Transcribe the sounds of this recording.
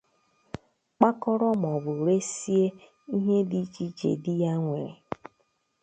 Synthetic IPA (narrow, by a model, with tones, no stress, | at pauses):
k͡pa˦kɔ˦ɾɔ˦m˨ɔ˨bʊ˨ɾe˦si˦e˦ | i˦ɦe˦di˦t͡ʃi˦t͡ʃḛ˨dɪ˦ja˦ŋʷḛ˨ɾḛ˨